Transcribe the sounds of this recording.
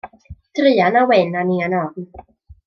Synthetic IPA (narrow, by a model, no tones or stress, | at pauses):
t̪ɾijanawenːanianɔːk̚n